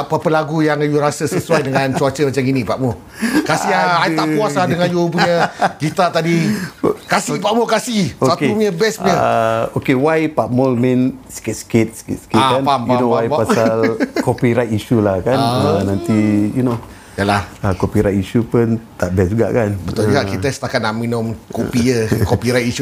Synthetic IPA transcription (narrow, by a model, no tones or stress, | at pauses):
apəpəlaɡujaŋajuɾasəsəsuwajdəŋãnt͡ʃuat͡ʃəmat͡ʃaminĩpaʔmo | kasiaajt̪apuasladəŋajup̬uɲəkit̪at̪adi | kasipaʔmokasihosat̪mɲəbɛsməəokewajpamolmɛ̃nsə̥kɪt̪̚sə̥kɪt̪̚sə̥kɪ̰tsə̥kiaanpampaunowajpapasalkopiɾat̪iʃulahkannãnt̪ijuno | jəlahakopiɾajtiʃupənt̪aʔbɛsd͡ʒuɡa̰ʔkanbət̪ɔld͡ʒuɡaʔkit̪əsə̥t̪akat̪̚naʔminɔmkopiəkopiɾajt̪iʃu